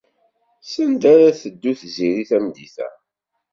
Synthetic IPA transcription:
sənd̪aɾaθəd̪ːuθziɾiθæmd̪iθæ̰

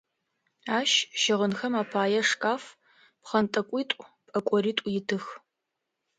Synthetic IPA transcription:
aːʃʃɪʁənxɐmaːpʰaːjɛʂkʼaːf | pχɐntʼɐkʷʼiːtʷʼʊpʼɐkʷʼɔɾiːtʷʼʊjɪtʰɨx

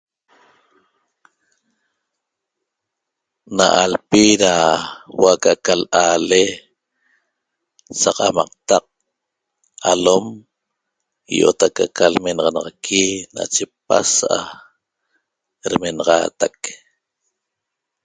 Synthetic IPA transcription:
naʔalpiɾawakakalaːle | sɑqɑmɑq̚t̪ɑq̚ | alom | joʔot̪akakalmenɑʁɑnɑʁɑkʰina̰t͡ʃepasʔa | ɾmenɑʁɑ̰ːt̪ak

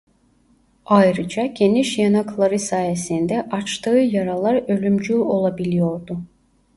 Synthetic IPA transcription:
ajɾɯd͡ʒaɟe̞niʃjanaklˠaɾɯsaːje̞sind̪ɛʔat͡ʃt̪ʰɯːjaɾalˠaɾø̞lʲymd͡ʒyo̞lˠabilʲijo̞ɾd̪ʊ

